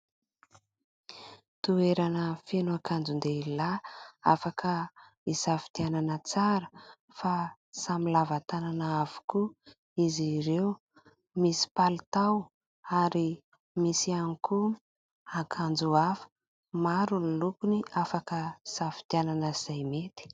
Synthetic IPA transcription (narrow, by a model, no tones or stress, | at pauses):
t̪ueɾanəfenuakʰand͡zund̪eilaa̰fakʰə | isafi̥t̪iananət͡saɾə | fa | samilavat̪ananaav̥u̥ku | iziɾew | misi̥palit̪aw | aɾi | misianiku | akʰand͡zuafə̥ | maɾunilukuniafakəisafi̥t̪iananəz̥ajmet̪i̥